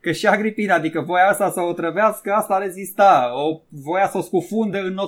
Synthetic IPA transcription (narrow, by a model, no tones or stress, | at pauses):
kəʃiaɡɾipinəad̪ikəvo̞jaast̪asəot̪ɾəveaskəast̪aɾe̞zist̪aovo̞jasəoskufund̪əɨnːo